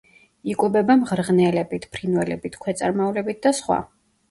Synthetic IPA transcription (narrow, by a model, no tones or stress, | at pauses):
ikʼɛbɛbamʁɾʁnɛlɛbit̪ʰpʰɾinwɛlɛ̰bit̪ʰkʰwɛt̪sʼa̰ɾmaulɛbit̪̚ʰd̪asχwa̰